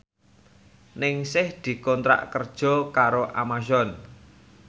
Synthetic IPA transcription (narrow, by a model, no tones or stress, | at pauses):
nɪŋsɪhd̪̥i̤kɔnt̪ɾa̰ʔkərd̥ʒ̥ɔ̤kaɾoʔamaʃɔn